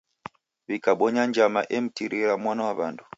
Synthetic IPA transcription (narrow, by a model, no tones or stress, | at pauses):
βikaɓɔɲand͡ʒamaʔɛm̩tiɾiɾamwanawaβandʰu̥